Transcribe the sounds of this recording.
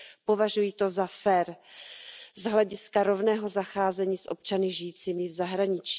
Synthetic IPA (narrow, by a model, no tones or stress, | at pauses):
po̞vaʒujiːt̪ozafɛːɾ | zɦlɛɟɪskaɾo̞vnɛːɦo̞zaxaːzɛɲiːsʔo̞̰p̚t͡ʃanɪʒɪjiːt͡siːmɪvzaɦɾaɲɪt͡ʃː